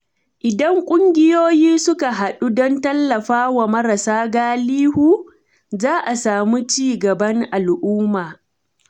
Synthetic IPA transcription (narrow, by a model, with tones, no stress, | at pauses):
ʔɪ˨dɐ˦ŋkʷʼʊ˦ŋɡʲɪ˦joː˦jiː˦sʊ˦ka˨ɦa˨ɗu˦dɔ˦ntɐ˦lːɐ˨ɸaː˦wa˨mɐ˦ɾɐ˨saː˦ɡaː˦liː˦huː˦ | zaː˦ʔa˨saː˨mu˦t͡ʃiː˦ɡɐ˨bɐ˦ŋʔa˨lʔʊː˦maː˨